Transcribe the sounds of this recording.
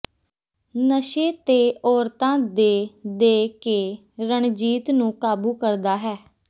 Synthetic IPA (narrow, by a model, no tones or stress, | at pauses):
nəʃeːt̪eːɔːɾt̪ãːd̪eːd̪eːkeː | ɾəɳd͡ʒiːt̪nũːkaːbuːkəɾd̪aːɦɛː